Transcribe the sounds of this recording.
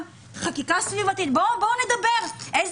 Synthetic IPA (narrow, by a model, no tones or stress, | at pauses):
χakikasvivat̪it̪̚boboned̪abe̞ʁʔez